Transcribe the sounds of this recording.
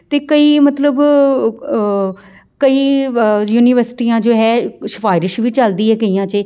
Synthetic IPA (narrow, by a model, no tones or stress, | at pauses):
t̪eːkəiːmət̪ləb | kəiːjuːniːʋəɾsɪ̥ʈiːãːd͡ʒoːɦɛːʃə̥faːɪɾɪʃʋiːt͡ʃəld̪iːɦɛːkəiːãːt͡ʃe